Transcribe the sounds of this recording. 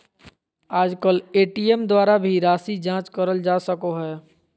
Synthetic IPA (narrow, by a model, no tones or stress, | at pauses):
aːd͡ʒkəleʈiemd̪waɾabʱiɾaːsid͡ʒãt͡ʃkəɾəld͡ʒasəkoɦɛ